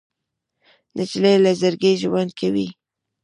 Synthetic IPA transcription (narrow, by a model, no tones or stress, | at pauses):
nat͡ʃlelazəɾɡeʒwand̪kʰawi